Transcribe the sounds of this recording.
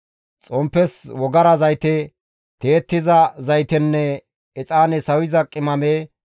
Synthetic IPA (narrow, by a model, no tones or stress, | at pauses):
t͡sʼɔmpːɛswɔɡɐɾɐzɐjt̪ɛ | t̪eːt̪ːɪzɐzɐjt̪ɛnːɛ | ɛt͡sʼaːnɛsɐwɪzɐkʼːɪmɐmeː